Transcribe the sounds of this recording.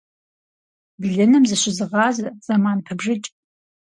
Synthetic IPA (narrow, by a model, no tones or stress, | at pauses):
bɮɨnɨmzɐɕʷɪzɨʁɑːzɐz̥amaːnpʰɐbʐɨt͡ʃʼ